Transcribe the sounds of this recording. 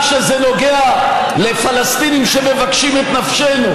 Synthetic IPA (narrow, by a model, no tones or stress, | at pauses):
ʃezeno̞ɡea | le̞falast̪inimʃe̞me̞vakʃimet̪nafʃe̞nu